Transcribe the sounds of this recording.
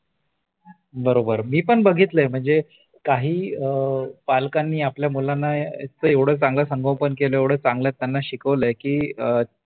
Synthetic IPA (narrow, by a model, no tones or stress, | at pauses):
bəɾobəɾmiːpəɳbəɡʱit̪ləm̤əɳd͡ze | kaɦiːəpalkanːiːapljamulanːat͡səːeʋɽ̤əːt͡sãŋɡləsəŋɡʱə̃wpənkeləeʋɽ̤əːt͡sãŋɡlət̪ːjanːaɕikəʋləjkiːə